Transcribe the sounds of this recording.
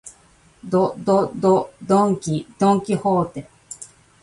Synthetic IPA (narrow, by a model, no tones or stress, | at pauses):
d̪od̪od̪od̪õŋkʲid̪õŋkʲihoːt̪e